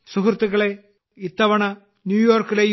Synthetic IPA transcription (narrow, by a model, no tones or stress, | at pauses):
suɦrt̪ːuɣɐɭe̞ | it̪ːɐʋɐɳɐ | njuːjoːrkːilej